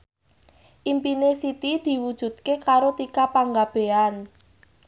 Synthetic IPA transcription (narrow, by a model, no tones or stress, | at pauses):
ʔimpinesit̪id̪̥i̤wud̥ʒ̥ṳd̪̥̚kekaɾot̪ikapaŋɡab̥e̤an